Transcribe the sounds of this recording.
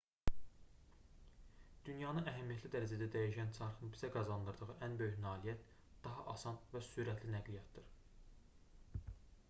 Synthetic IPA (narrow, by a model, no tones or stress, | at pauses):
d̪̥ynjɑnɯæɦæmijæt̪ʰlid̪æɾæd͡ʒæd̪æd̪æjiʃænt͡ʃʰɑɾχɯnbizæɡɑzɑnd̪ɯɾd̪ɯʁɯʔænbø̞jyçnɑːlijæt̪ | d̪̥ɑɦɑʔɑsɑnvæsuɾæt̪ʰlinæɡlijɑt̪d̪ɯɾ̥